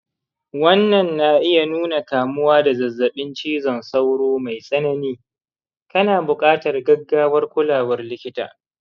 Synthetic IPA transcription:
wɐ˦nːɐ˨nːa˨ʔɪ˦ja˨nuː˦na˨kaː˨mʊ˦waː˦da˨zɐ˨zːɐ˨ɓɪ˦nt͡ʃiː˦zɐ˨nsa˦wɽoː˦ma˨jsʼɐ˦nɐ˦niː˦ | kɐ˦naː˨bʊ˨kʼaː˦tɐ˨rɡɐ˦ɡːaː˦wɐ˦rkʷʊ˦laː˨wɐ˦rlɪ˦kʲɪ˦ta̰ː˨

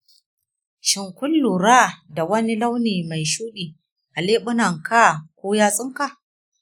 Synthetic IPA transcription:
ʃɪ˨ŋkʷʊ˦lːuː˨ɾaː˦da˨wɐ˦ni˦la˦wniː˨ma˨jʃuː˦ɗiː˨ | ʔa˨leː˦ɓʊ˦na˨ŋka˦˨kʷoː˦jaː˦sʼɪ˦ŋka˨ʔ

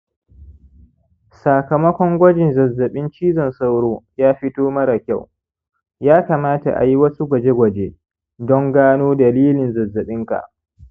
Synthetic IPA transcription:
sa˨kɐ˨mɐ˦kʷɔ˦ŋɡʷɐ˦d͡ʒɪ˨nzɐ˨zːɐ˨ɓɪ˦nt͡ʃiː˦zɔ˨nsa˦wɽoː˦jaː˦ɸɪ˦toː˦mɐ˦ɽa˨kʲa˦˨w | jaː˦ka˨maː˦ta̰˨ʔa̰˨ji˦wɐ˦su˦ɡʷɐ˨d͡ʒe˦ɡʷɐ˨d͡ʒe˦ | dɔ˦ŋɡaː˦noː˦dɐ˨liː˦lɪ˨nzɐ˨zːɐ˨ɓɪ˦ŋka̰˨ʔ

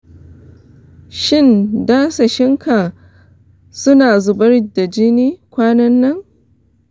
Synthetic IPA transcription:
ʃɪ˦˨ndaː˦sa˨ʃɪ˦ŋka˨ | sʊ˦naː˨zʊ˨bɐ˦ɽda˨d͡ʒɪ˦niː˦kʷaː˦nɐ˦nːɐ˦ŋ

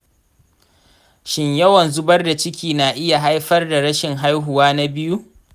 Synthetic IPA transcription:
ʃɪ˦ɲjɐ˦wɐ˨nzʊ˦bɐ˦rda˨t͡ʃɪ˦kʲiː˨naː˨ʔɪ˦ja˨ɦa˦jɸɐ˦rda˨ɽɐ˦ʃɪ˨ŋɦa˦jɦʊ˨waː˦na˦bɪ˦ju˦

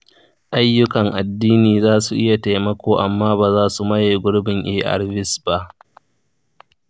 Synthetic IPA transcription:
ʔa˦jːʊ˦kɐ˨ŋʔa˨dːiː˦niː˨zaː˦su˨ʔɪ˦ja˨ta˨jmɐ˦kʷoː˨ʔa˨mːaː˦baː˨zaː˦su˨mɐ˦jeː˨ɡʷʊ˦ɽbɪ˨ŋʔeː˦ʔa̰˨ɽbɪ˦sba˦ʔ

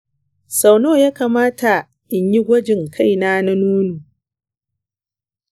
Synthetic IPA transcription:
sa˨wnoː˦˨jaː˦kaː˨maː˦ta˨ | ʔɪ˨ɲji˦ɡʷɐ˦d͡ʒɪ˨ŋkʰa˦˨jnaː˦na˦nuː˦nuː˨

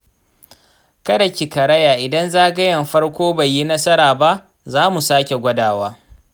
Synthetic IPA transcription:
kɐ˦dɐ˨kʲi˨kɐ˨ɾɐ˦jaː˨ʔɪ˨dɐ˦nzaː˦ɡɐ˦jɐ˨mɸɐ˦rkʷoː˦ba˨jːi˦nɐ˦sɐ˦ɾaː˨ba˦ʔ | zaː˦mu˨saː˦kʲe˨ɡʷɐ˦daː˨waː˦

